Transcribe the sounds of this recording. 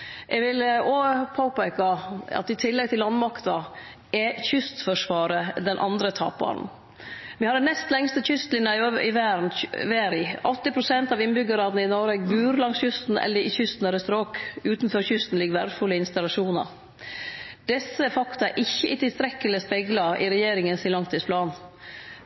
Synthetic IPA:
ʔɛɡʋɪlopʰoːpæɪkɑɑ̰t̪ɪt̪ʰɪlːɛɡ̚t̪ɪlːɑnmɑkt̪ɑ | ɛçʏst̪fɔʂʋɑːɾəd̪ɛnʔɑ̰nd̪ɾət̪ʰɑ̰ːp̚bɑ̰ːɾn̩ | ʋɪhɑd̪ɛnɛst̪lɛŋst̪əçʏst̪lɪnjɑɪɪ̰ʋæːɾnʋæːɾɪɔt̪ːɪpʰɾʊsɛnt̪ɑʋɪnbʏɡːəɾɑːd̪nəɪnɔɾəbʉːɾlɑŋsçʉst̪n̩ɛ̰lːəɾɪçʏst̪n̩ɛlɾəst̪ɾoːkʉːt̪nfɔɾçʏst̪n̩lɪɡʋæɾd̪fʉlːəɪnst̪ɑlɑʂuːnɑ̰ɾ | d̪̥ɛsːəfɑkt̪ɑæɾʔɪçːəʔɪt̪ɪlst̪ɾɛkːəlɪspɛɡlɑɪ̰ɾɛjeːɾɪŋənsɪlɑŋt̪ʰɪspʰlɑːn

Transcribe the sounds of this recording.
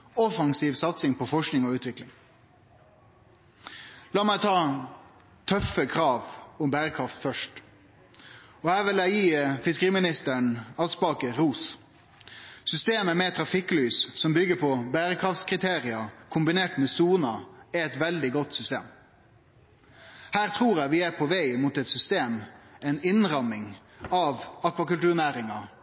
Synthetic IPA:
ɔfɑŋsiːʋsɑt̪sɪŋpʰɔfɔʂknɪŋɔʉːt̪ʋɪklɪŋ | lɑːmæɪt̪ʰɑː | t̪ʰœfəkʰɾɑːʋʊmbæːɾəkʰɾɑft̪fœʂʈ | ɔhæːʋɪlæɪjiːfɪskəʁiːmɪnɪst̪əɳɑspɑːkəɾuːs | sʏst̪eːməmɛt̪ʰɾɑfɪklyːssɔmbʏɡəpʰɔbæːɾəkʰɾɑft̪skʰɾɪt̪ʰeːɾɪɑkʰʊmbɪneːʈmɛsuːnɑæɛt̪ʋɛld̪ɪɡɔt̪sʏst̪ḛːm | hæːɾt̪ʰɾuːɾæɪʋɪæpʰɔʋæɪmut̪ɛt̪sʏst̪eːmɛɪnɪnɾɑmɪŋ | ɑʋɑkʋɑkʉlt̪ʉːɾnæːɾɪŋɑ

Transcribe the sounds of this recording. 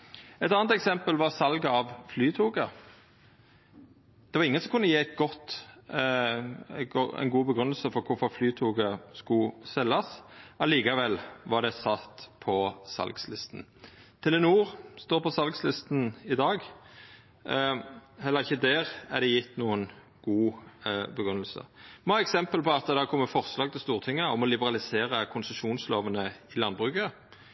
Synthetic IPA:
ɛt̪ɑːnt̪ɛksɛmpəlʋɑʁsɑlɡəɑʋflyːt̪ʰuːɡə | d̪̥ɛʋɑɾɪŋːənsɔmkʰʉnːəjeːɛt̪̚ɡɔt̪ | ɛ̰nɡuːbəɡɾʉnəlsəfɔɾkʰʊɾfɔɾflyːt̪ʰuːɡəskʊsɛlːɑsʔɑliːkɑʋɛlʋɑɾd̪ɛsɑt̪pʰɔsɑ̰lɡslɪst̪n̩t̪ʰɪlɛnuːʁst̪oːʁpɔsɑlɡslɪst̪n̩ɪd̪ɑːɡ | hɛlːəʁɪçːəd̪ɛːʁæʁd̪ɛjɪt̪ːnuːən | ɡ̥uːbəɡʁʉnːəlsə̰mɔɑːɛksɛmpəlpɔɑt̪̚ɛd̪ɛækʰɔmːəfɔʁslɑːɡ̚t̪ɪlst̪uːʁt̪ʰɪŋːəɔmɔlɪbəʁɑlɪseːʁəkʰʊnsəʃuːnsloːʋənəɪlɑnbʁʉkə

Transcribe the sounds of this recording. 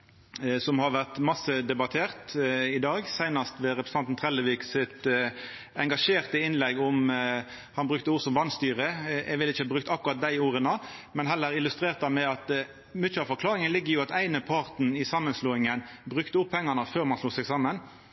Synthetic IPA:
sɔmhɑʁʋæʁt̪mɑsəd̪ɛbɑt̪ʰeːʁt̪ɪd̪ɑːɡsæɪnɑst̪ʋɛɾɛpɾəsɑnt̪n̩t̪ʰʁɛləʋiːksɪt̪ | ɛŋɡɑʂeːʁt̪əɪnlɛɡɔm | hɑnbʁʉk̚t̪əuːʁsɔmʋɑnst̪yːʁəɛɡʋɪlːɪçəɑbʁʉk̚t̪ɑkʊʁɑt̪̚d̪æɪuːʁənəmɛnɦɛlːəɾɪlʉst̪ʁeːʁt̪̚d̪ɑmɛɑt̪ | mʏəɑʋfɔɾkʰlɑːʁɪŋənlɪɡːəʁjʊɑt̪æɪnəpʰɑʁt̪n̩ɪsɑmːənsloːɪŋənbʁʉkt̪əʊpʰːɛŋːɑnəføːʁmɑnsluːsɛɡsɑmːən

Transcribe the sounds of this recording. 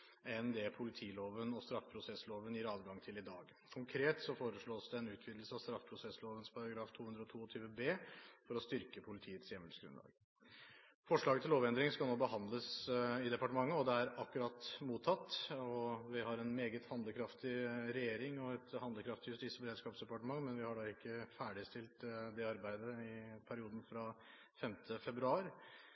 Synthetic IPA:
ɛnd̪ɛpʰʊlɪt̪ʰiːloːʋənɔst̪ɾɑfpʰɾʊsɛsːloːʋənjɪɾɑːʋɡɑŋt̪ʰɪlɪd̪ɑːɡ | kʰʊŋkʰɾeːt̪sɔfoːɾəʂɭoːsd̪ɛɛnʉːt̪ʰʋiːd̪l̩səɑʋst̪ɾɑfːpʰɾʊsɛsloːʋənspʰɑɾɑɡɾɑːft̪ʰuːhʉnd̪ɾɔt̪ʰuːɔt̪ʰyːʋəbeːfɔɾɔst̪ʏɾkəpʰʊlɪt̪ʰiːət̪sjɛməlsɡɾʉ̰nɑ̰ːɡ | fɔʂɭɑːɡət̪ɪloːʋɛnd̪ɾɪŋskɑlnoːbəɦɑnd̪ləsɪd̪ɛpɑʈəmɑŋːəɔd̪ɛæɾɑkːʉɾɑt̪ːmuːt̪ʰːɑt̪ːɔʋɪɦɑɾɛnmeːɡət̪hɑnd̪əkʰɾɑft̪ɪɾɛjeːɾɪŋɔɛt̪hɑnd̪əkʰɾɑft̪ɪjʉst̪iːsəbəɾeːd̪skɑːpsd̪ɛpɑʈəmɑŋːmɛnʋɪhɑɖɑːɪkːəfæːɖɪst̪ɪlt̪d̪ɛɑɾbæɪd̪əɪpʰæɾɪuːd̪n̩fɾɑ | fɛmt̪ʰəfɛbɾʉɑːɾ

